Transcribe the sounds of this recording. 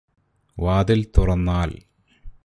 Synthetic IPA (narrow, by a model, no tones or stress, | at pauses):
ʋaːd̪ilt̪urɐnːaːl